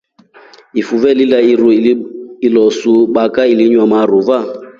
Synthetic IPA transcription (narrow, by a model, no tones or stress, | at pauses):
ifuvɛlilaiɾuilɔsuɓakailiɲwamaruva